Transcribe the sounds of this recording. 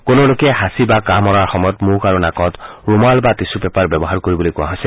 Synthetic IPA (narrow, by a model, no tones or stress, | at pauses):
konolokɛɦasibakamɔɾaɹxɔmɔjɔt̪mukaɾunakɔt̪ɹumalbat̪isupɛpaɹbjɔbɔɦaɹkoɹibɔlojkuã̰ɦɔse